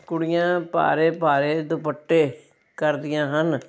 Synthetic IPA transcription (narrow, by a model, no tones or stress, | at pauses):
kʊɽɪjãːpa̰ːɾeːpaːɾeːd̪ʊpəʈːeː | kəɾd̪ɪjãːɦən